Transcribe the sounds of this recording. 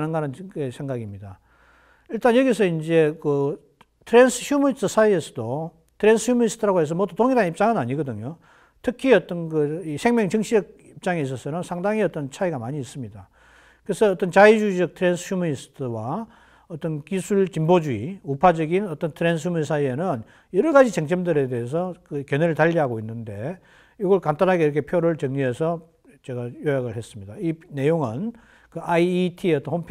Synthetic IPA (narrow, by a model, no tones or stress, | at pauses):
nɯnɡaɾanesʰe̞ŋɡaɡimɲida | iɭt͈anjʌɡisʰʌind͡ʑe̞kɯ | tʰɯɾensʰɯçjumunistʰɯsʰaiesʰʌ̥do | tʰɯɾe̞nsʰɯçumʌnisʰtʰɯɾaɡoɦe̞s̬ʰʌmʌdutoŋiɾanip̚t͡ɕ͈aŋɯnaɲiɡʌdɯɲo | tʰɯkʰiʌt͈ʌnkɯisʰe̞ŋmjʌŋt͡ɕɯŋɕʰiʌɡ̚ip̚t͡ɕ͈aŋeis̬ʰʌsʰʌɾʌnsʰaŋdaŋiʌt͈ʌnt͡ɕʰaiɡamaɲiːs͈ɯmɲida | kɯɾesʰʌːt͈ʌnt͡ɕaid͡ʑuid͡ʑʌk̚tʰɯɾensʰɯçjumʌnisɯ̥tʰɯwa | ʌt͈ʌnkisʰuɭt͡ɕimbod͡ʑuiupʰad͡ʑʌɡinʌt͈ʌntʰɯɾe̞ns̬ʰjumins̬ʰaie̞nɯn | jʌɾʌɡad͡ʑit͡ɕeŋt͡ɕʰʌmdɯɾe̞de̞ɦes̬ʰʌkɯkjʌneɾɯɭtaʎːiɦaɡoinːɯnde̞ | joɡʌɭkantanɦaɡeiɾʌkʰe̞pʰjoɾɯɭt͡ɕʌŋɲiɦe̞sʰʌ | t͡ɕe̞ɡajojaɡɯɭɦe̞s͈ɯmɲid̥aine̞joŋɯn | kɯʔaitʰiʌt͈ʌnhompʰ